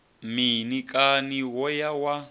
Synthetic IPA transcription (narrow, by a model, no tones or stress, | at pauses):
minikʼaniwɔjawa